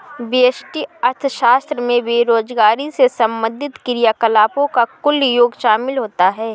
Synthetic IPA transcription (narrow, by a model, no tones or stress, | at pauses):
biəsʈiɐɾt̪ʰəʃaːst̪ɾəmẽbeːɾoːd͡ʒɡaːɾisesɐ̃mbə̃nd̪ʱɪt̪kɪɾijaːkəlaːpõkakʊljoːɡʃaːmɪlɦoːt̪aɦɛː